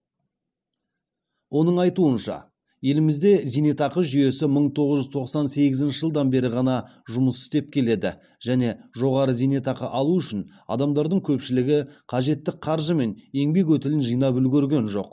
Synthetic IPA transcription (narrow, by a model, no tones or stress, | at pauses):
wo̞nəɴɑjt̪uənʃɑ̰ | je̞lɪmɪzd̪e̞zijne̞t̪ɑqəʒʏje̞sɪməɴt̪ʰo̞ʁəzʒʏzt̪ʰo̞qsɑnse̞ɡʲɪzɪnʃɪʒəlˠd̪ɑnbe̞ɾɪʁɑnɑʒʊməsɪst̪e̞p̚kʲʰe̞le̞d̪ɪ̰ | ʒ̥æne̞ʒo̞ʁɑɾəzijne̞t̪ɑqəʔɑlˠuʏʃɪn | ɑ̰d̪ɑmd̪ɑɾd̪əɴkʲʰɵpʃɪlɪɡʲɪqʰɑʒe̞t̪ːɪk̚qʰɑɾʒəme̞ne̞ŋbe̞k̬wɵt̪ɪlɪnʒijnɑbʏlɡʲeɾɡʲe̞nʒo̞̰q